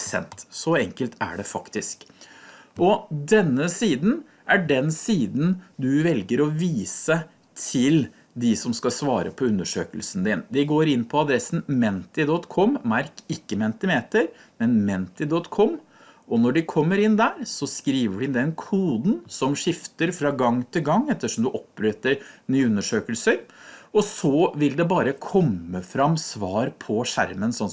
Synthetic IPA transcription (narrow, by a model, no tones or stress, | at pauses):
sɛ̰nt̪sɔɛŋkəlt̪æ̰ɖɛfɑkt̪ɪsk | ʔɔd̪ɛnːəsiːd̪n̩ | ʔæɖɛnsiːd̪n̩d̪ʉʋɛlɡəɾɔʋiːsə | t̪ʰɪl | d̪ɪsɔmskɑsʋɑːɾəpʰɔʉnd̪əʂøːkəlsn̩d̪ɪnd̪ɪɡoːɾɪnːpʰɔɑd̪ɾɛsn̩mɛnt̪ɪd̪ɔt̪kʰɔmmɑɾkɪkːəmɛnt̪ɪmeːt̪əɾ | mɛnmɛnt̪ɪd̪ɔt̪kʰɔm | ʔɔnɔɖɪkʰɔmːəɾɪnd̪æːɾsɔskɾiːʋəɖɪɪnd̪ɛnkʰuːd̪n̩sɔmʂɪft̪əɾfɾɑɡɑŋt̪ʰɪlɡɑŋːɛt̪ːəʂɔmd̪ʉʔɔp̚ɾøːt̪əɾnyːʉnːəʂøːkəlsəɾɔsɔʋɪld̪ɛbɑːɾəkʰɔmːəfɾɑmsʋɑːɾpʰɔʂæ̰ɾmənsɔn